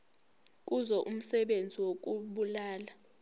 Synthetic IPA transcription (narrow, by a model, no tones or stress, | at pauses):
k̬ʼuzɔʔum̩sɛɓend͡zʱiwok̬ʼuɓulaːla